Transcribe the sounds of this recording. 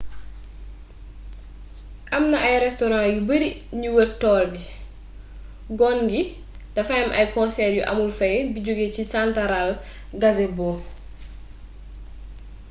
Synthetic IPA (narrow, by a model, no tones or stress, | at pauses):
ʔɐmnɐɐjɾɛstɔɾãːjubəɾiɲuwərtɔːlbi | ɡɔnɡi | d̥ɐfɐjɐmʔɐjkɔ̃nsɛːɾjuʔɐ̰mulfɐjbiɟoɡecisantaɾal | ɡɐzɛbɔː